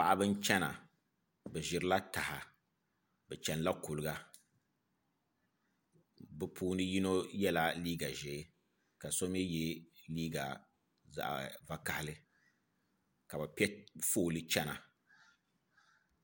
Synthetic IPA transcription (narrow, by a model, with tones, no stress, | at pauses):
pa̰˨ʔa˨bɨ˦n˦t͡ʃɛ˦na̰˨ | bɛ˨ʒɪ˨ɾɨ˦la˦ta˨ha˨ | bɛ˨t͡ʃɛ˨n˦la˦ku˨lɨ˨ɡa˨ | bɨ˦pʰuː˦nɨ˦ji˦no˦jɛ˦la˨liː˦ɡa˨ʒɛ˨˦ | ka˨so˦mjɛ˦jɛ˦liː˦ɡa˨ | za̰˨ʔva˦ka˨ha˨lɨ˦ | ka˨bɛ˨pɛ˦foː˦˨lɨ˦t͡ʃɛ˦na̰˨